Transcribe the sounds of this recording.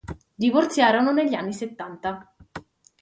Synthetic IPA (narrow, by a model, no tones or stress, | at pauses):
d̪ivort̪sjaːɾononeʎːanːiset̪ːant̪a